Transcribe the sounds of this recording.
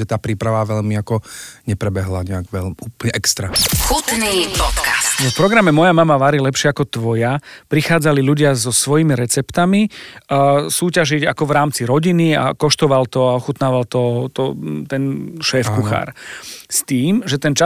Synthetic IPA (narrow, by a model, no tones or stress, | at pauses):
ɛt̪aːpɾiːpɾaʋaʋɛʎmiakɔɲɛpɾɛbɛɦlaɲɛaɡʋɛuːplɲɛʔɛkst̪ɾaxut̪niːpɔt̪kast̪ɔfpɾɔɡɾamɛmɔjamamaʋaɾilɛpʃɪɛakɔt̪ʋɔjapɾixaːd͡zaliʎuɟɪazɔsʋɔjimiɾɛt͡sɛpt̪ami | suːcaʒiɟa̰kɔʋɾaːmt͡siɾɔɟinia̰kɔʃt̪ɔʋalt̪ɔaɔxut̪naːʋalt̪ɔt̪ɔt̪ɛnʃɛːfkkuxa̰ːɾst̪iːmʒɛt̪ɛnt͡ʃa